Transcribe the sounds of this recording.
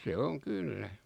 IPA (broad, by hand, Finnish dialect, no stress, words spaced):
se oŋ kylːæ